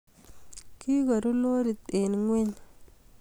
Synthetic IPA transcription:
ki˦ka˨ɾu˦lo˦ɾi˨t̪e˨nŋwe˦ɲ

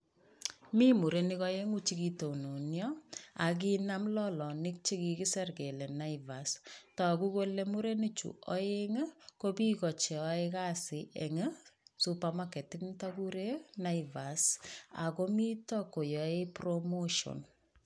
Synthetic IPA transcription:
mi˦mu˨ɾe˨nikɔ˦je˦ŋu˦t͡ʃi˦ki˨to˨no˨njɔ˦a˨k̬i˦na˦mlɔ˦lɔ˨ni˦k̚t͡ʃi˦ki˨ki˦sɛ˦rke˨lɛ˨na˦iva˨stɔ˨ku˦ko˦le˦mu˦ɾe˦ni˦t͡ʃṵ˨ɔ˦e˦ŋə˦ko˦bi˦kɔ˨t͡ʃe˨ɔ˦eka˦sɪ˨ʔe˨ŋə˦su˦pa˦makːɛ˨tiknta˦ku˦ɾe˦na˦iva˨sa̰˨ko˦mi˦tɔ˦ko˨jɔ˨e˦pɾomo˦ʃo̰˨n

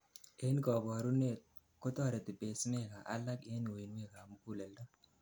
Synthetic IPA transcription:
e˦nkɔ˨bɔ˨ɾu˦ne˦t̪̚ | ko˦tɔ˦˨ɾe˨ti˨pe˨sme˦ka˨ʔa̰˦la˦ke˦n˨o˨i˨nwe˦ka˨mʊ˦ku˦˨le˨ldɔ˦

